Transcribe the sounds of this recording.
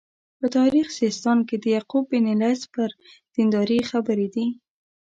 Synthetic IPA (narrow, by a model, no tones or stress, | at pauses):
pət̪ɑɾixsist̪ɑnked̪əjaqubɪnɪlaspəɾ | d̪̥ɪnd̪ɑɾixabəɾed̪i